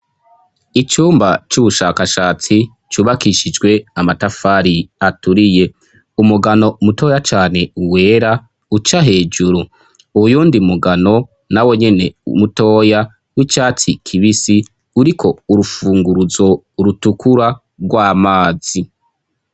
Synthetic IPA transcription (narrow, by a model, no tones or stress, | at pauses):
it͡ʃuːmbat͡ʃuβuʃaːkaʃaːt͡si | t͡ʃuːβakiʃid͡ʒɡwe̞amatafaːɾiatuɾije̞ | umuɡano̞muto̞jat͡ʃaːne̞uwe̞ːɾa | ut͡ʃaɦe̞ːd͡ʒuɾu | ujuːndimuɡano̞ | nawo̞ɲe̞ne̞ṵmuto̞ːja | wit͡ʃaːt͡sikʰiβisi | uɾikʰo̞uɾufuːŋɡuɾuzo̞ | ɾutukuɾa | ɡwaːmaːz̥i